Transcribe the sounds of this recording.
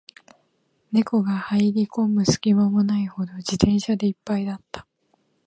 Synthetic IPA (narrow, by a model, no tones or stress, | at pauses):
ne̞ko̞ɡahaiɾʲikõ̞mbɯ̟sɨ̥kʲimamonaiho̞d̪o̞d͡ʑit̪ẽ̞ɰ̃ɕad̪e̞ipːaid̪at̪ːḁ